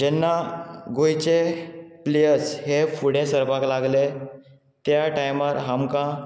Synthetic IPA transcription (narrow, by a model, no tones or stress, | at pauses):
d͡ʑɛnːaɡojt͡ɕeplejəɾshefuɽẽsəɾpaklaɡle | t̪jaʈajmaɾɦamkã